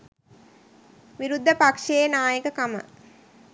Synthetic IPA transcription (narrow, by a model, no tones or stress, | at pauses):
ʋiɾud̪ʱːəpakʂeːnaːjəkəkamə̰